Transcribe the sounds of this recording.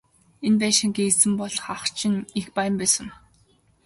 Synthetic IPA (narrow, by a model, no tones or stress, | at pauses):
enpæːʃĭŋɡesɘ̆mpɔɮχaχt͡ɕʰɪ̆nixpajə̆mpæːsə̆m